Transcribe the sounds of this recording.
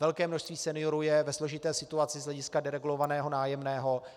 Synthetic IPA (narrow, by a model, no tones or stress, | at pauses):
vɛlkɛːmnoʃst̪viːsɛnɪo̞ɾujɛvɛslo̞ʒɪt̪ɛːsɪt̪uat͡sɪzɦlɛɟɪskadɛɾɛɡulo̞vanɛːɦo̞naːjɛmnɛːɦo̞